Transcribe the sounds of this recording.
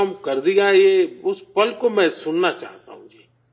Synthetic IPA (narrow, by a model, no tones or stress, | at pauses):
ɐmkɐɾd̪iaːijeʊspɐlkomɛ̃sʊnnat͡ʃa̰ːɦt̪a̰ɦũd͡ʒeː